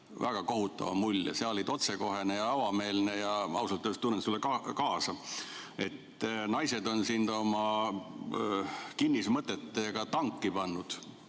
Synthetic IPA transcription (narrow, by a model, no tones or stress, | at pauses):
væɡ̥ɑko̞ɦut̪ːˑɑ̰vɑ̰mulʲːjɑ̰seolːid̪o̞t̪se̞ko̞ɦe̞nejɑɑwɑme̞ːlne̞jɑɑ̰uwsɑlt̪ːøst̪unːet̪sulːekɑkɑːsɑ | e̞t̪ːˑnɑjse̞d̪o̞nsind̪o̞mɑ | kinːismɤt̪ːˑet̪ːˑeɡ̥ɑt̪ɑŋkˑːipɑnːud̪̥